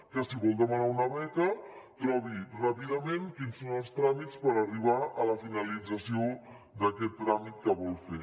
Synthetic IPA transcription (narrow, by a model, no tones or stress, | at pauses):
kəsiβɔlˠd̪əmanaunəβɛkət̪ɾɔβirapiðəmẽnkinsonəlˠst̪ɾamit̪t͡spəɾəriβaʔələfinəlid͡zəsio | d̪əkɛt̪ːɾamit̪̚kəβɔlˠfe